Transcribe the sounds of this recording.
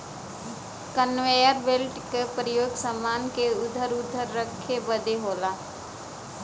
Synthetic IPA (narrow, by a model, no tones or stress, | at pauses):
kənʋeːjəɾbelʈkepɾəjoːɡsəmːaːnkeʊd̪ʱəɾʊd̪ʱəɾːəkʰːebəd̪eɦoːlaː